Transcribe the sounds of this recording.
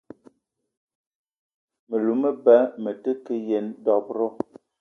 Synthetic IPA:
mə˨lu˨˦mə˦bɛ˨˦mə˨tə˦kə˦je˨˦ndɔ˨b̚ɾɔ˦

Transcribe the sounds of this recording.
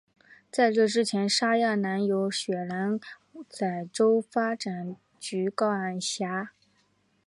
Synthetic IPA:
t͡sa˥˧ɪʈ͡ʂɤ˥˧˩ʈ͡ʂɻ̩˥t͡ɕʰjɛ˧˥nʂa˥ja˥˩na˧˥njo˧˥ʊɕɥɛ˨˩la˧˥n | t͡sa˥˨˩ɪʈ͡ʂo˥ʊfa˥ʈ͡ʂa˨˩n | t͡ɕy˧˥kɑ˥ʊa˥˨˩nɕja˧˥

